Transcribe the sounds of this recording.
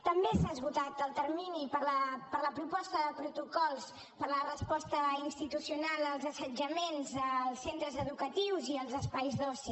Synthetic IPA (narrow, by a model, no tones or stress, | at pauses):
t̪əmbesazβut̪at̪əlˠt̪ərminipəɾləpəɾləpɾupɔst̪əðəpɾut̪ukɔlˠs | pəɾlərəspɔst̪əinst̪it̪usiunalˠəlˠzəsəd͡ʒəmenzəlˠsent̪ɾəzəðukət̪iwziəlˠzəspajzðɔsi